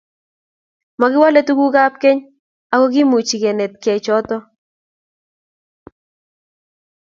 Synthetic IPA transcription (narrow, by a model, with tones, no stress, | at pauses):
ma˨ɡɪ˦wa˦le˦t̪u˦ɡu˦ɡa˦p̚kɛ˦ɲ | a˨kɔ˦ɡɪ˦mu˨t͡ʃi˨ɡe˨nɛ˨t̪̚kɛ˨t͡ʃɔ˦t̪ɔ˦